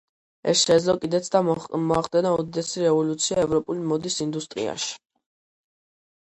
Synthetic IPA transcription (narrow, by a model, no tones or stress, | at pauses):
ɛ̰sʃɛd̪zlˠɔkʼid̪ɛt̪sd̪amɔaχd̪ɛnaɔd̪id̪ɛsiɾɛvɔlut̪sʰiaɛvɾɔpʼulimɔd̪isind̪ust̪ʼɾḭa̰ʃi̥